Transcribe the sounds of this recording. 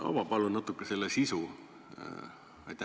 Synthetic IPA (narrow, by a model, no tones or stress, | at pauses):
ɑ̰vɑpɑlunɑt̪ːˑukːese̞lːesisu | ɑjt̪ʲːæ